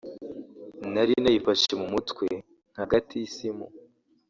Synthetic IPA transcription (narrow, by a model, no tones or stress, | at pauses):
naɾinajipaʃemumutwe̞ | ŋ̥haɡatʰiisimṵ